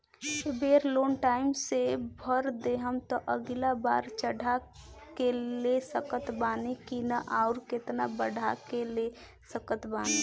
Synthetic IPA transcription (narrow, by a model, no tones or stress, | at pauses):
ebeːɾloːnʈaːɪmsebʱəɾd̪eɦəmt̪ɔʔəɡlaba̰ːɾt͡ʃəɽʱakelesəkət̪baːnekinaʔaʊɾkɪt̪nabəɽʱakele | səkət̪baːne